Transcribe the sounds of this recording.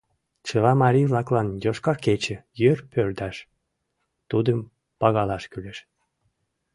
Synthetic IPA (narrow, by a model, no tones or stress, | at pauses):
t͡ɕəlɑmɑɾivlɑklɑnjoʃkɑrket͡ɕə̆jørpʰørd̪æʃ | t̪ud̪əm | pɑɣɑlɑʃkyleʃ